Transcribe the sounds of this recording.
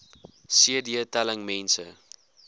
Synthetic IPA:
siədiətæləŋmɛnsə

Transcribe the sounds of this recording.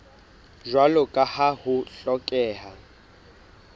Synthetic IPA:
ʒwalɔkʼahahʊɬɔkʼɛːɦa

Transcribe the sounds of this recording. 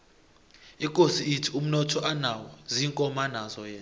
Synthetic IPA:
ikʼosiitʰium̩nɔtʰɔʔanawɔziŋkʼɔmanazɔjɛːn

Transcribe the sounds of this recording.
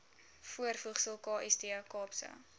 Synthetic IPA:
fuərfuχsəlˠkɑːʔɛsdikɑːpsə̰

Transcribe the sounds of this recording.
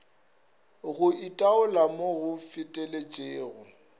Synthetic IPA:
ɣʊitʼaʊlamoɣʊfɪtʼelet͡ʃʼeːɣʊ

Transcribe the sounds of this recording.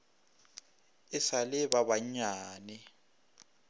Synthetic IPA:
ɪsalɪβaβaɲaːnɛ

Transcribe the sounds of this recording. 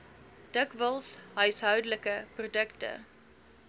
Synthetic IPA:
d̥əkvəlˠsɦœɥsɦœwdləkəprodəktə̰

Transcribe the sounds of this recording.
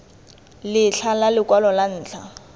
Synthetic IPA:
lɪɬʰalalɪkʼwalɔlan̩ːt͡ɬʰa̰

